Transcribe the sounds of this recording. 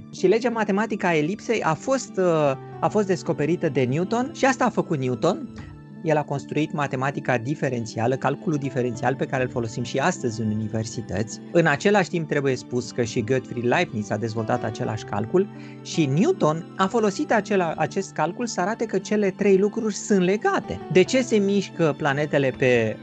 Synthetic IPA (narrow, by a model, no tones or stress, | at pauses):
ʃile̞d͡ʒamat̪e̞mat̪ikəae̞lipse̞jʔafo̞st̪ | afo̞st̪d̪e̞sko̞pe̞ɾit̪əd̪e̞njut̪o̞nʃiast̪aːfəkut̪njut̪o̞n | je̞lako̞nst̪ɾuit̪mat̪e̞mat̪ikad̪ife̞ɾe̞nt̪sialəkalkulud̪ife̞ɾe̞nt̪sialpe̞kaɾe̞ɨlfo̞lo̞simʃiast̪əzʲɨnunive̞rsit̪ə̰t̪sʲɨnat͡ʃe̞laʃʲt̪imp̚t̪ɾe̞buje̞spuskəʃiɡəd̪fɾilajvnisad̪e̞zvo̞lt̪at̪at͡ʃe̞lʔa̰ʃʲka̰lkul | ʃinjut̪o̞nafo̞lo̞sit̪at͡ʃelaa̰t͡ʃe̞st̪̚kalkulsəaɾat̪əkət͡ʃe̞le̞t̪ɾe̞jlukɾurʲsɨnt̪le̞ɡat̪e̞̰d̪e̞t͡ʃe̞se̞miʃkəplane̞t̪e̞le̞pe̞